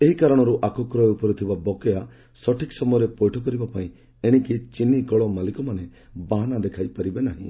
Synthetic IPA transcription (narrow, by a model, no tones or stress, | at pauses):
eɦikaɾɔɽ̃ɔɾuʔakʰɔkɾɔeupɔɾɔt̪ʰibabɔkɔja | sɔʈiksɔmɔjɔɾepɔjʈʰɔk̬ɔɾibapaĩ | eɽ̃ikit͡ʃinikɔɭɔmalikɔmane | baɦanad̪ekʰajpaɾibenaɦḭ̃